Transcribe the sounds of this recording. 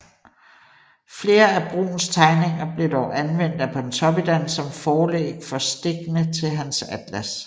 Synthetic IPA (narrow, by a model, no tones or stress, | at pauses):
fle̝ːɐæb̥ʁṵːn̩st͡sʰɑ̈ɪne̝ŋɐb̥le̝d̥ɒʊ̰ʔænʋen̰d̥æpʰɒ̽dent͡sʰɒ̽b̥id̥æn̰sɒ̽mfɒːlḛːɡ̥fɒ̽sd̥e̝ɡ̥nət͡sʰe̝ɦænsæd̥læs